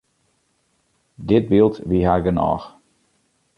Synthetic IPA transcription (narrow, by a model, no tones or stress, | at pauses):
dɪt̚bilˠtʋiɦaːɡənɔ̰ːx